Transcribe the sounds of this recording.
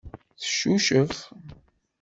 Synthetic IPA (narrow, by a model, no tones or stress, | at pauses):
θə̥ʃːuʃəf